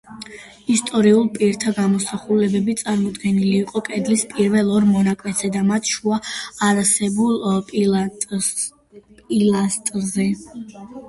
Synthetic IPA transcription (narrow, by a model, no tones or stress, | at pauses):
ist̪ʼɔɾiulˠpʼiɾt̪ʰaɡamɔsaχulɛbɛbit̪sʼaɾmɔd̪ɡɛniliːqʼɔkʼɛd̪lispʼiɾvɛlˠɔɾmɔnakʼwɛsɛd̪amat̪ʰʃuaːɾasɛbulˠ | pʼilast̪ʼzɛ